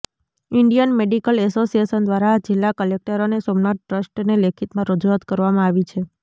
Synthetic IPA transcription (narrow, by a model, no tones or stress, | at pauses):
iɳɖijənmeɖikəlɛsosijesənd̪ʋaɾad͡ʒɪlːakəlek̚ʈəɾonesomnaʈ̚ʈɾəsʈnelekʰit̪mãɾəd͡ʒuat̪kəɾʋamãaʋit͡ʃʰe